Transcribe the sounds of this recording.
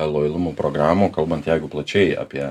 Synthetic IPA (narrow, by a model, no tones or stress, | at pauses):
lˠoːjlˠʊmuːpɾoːɡɾɑːmuːkɐlˠbɐnt̪jɛɪɡʊplˠɐt͡ʃʲɛɪɑ̰ːpʲiɛ